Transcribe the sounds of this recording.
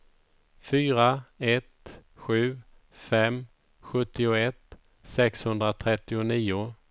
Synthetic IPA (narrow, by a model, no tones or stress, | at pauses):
fyːɾaɛt̪ɧʉ̟ː | fɛm | ɧɵt̪ːɪʊɛt̪ | sɛkshɵnd̪ɾat̪ʰɾɛt̪ːɪʊniːʊ